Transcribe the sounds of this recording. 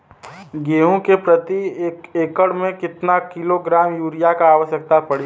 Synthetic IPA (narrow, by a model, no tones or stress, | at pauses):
ɡeːɦũkepɾɐt̪iekeːkəɽmẽkɪt̪nakɪloɡɾaːmjuːɾijakaaːʋəʃjək̚t̪apɐɽi